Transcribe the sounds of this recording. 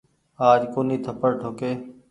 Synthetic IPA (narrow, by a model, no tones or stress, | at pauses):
aːd͡ʒkoːniːt̪ʰəpəɽʈʰoːkeː